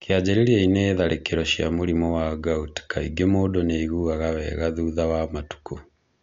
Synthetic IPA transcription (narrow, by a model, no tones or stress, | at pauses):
kead͡ʑeɾeɾiaineːðaɾʔekeɾɔʃia̰muɾimɔwaɡautkaiɡemoːdɔneiɣuaɣawɛɣaðuːðawamatu̥ku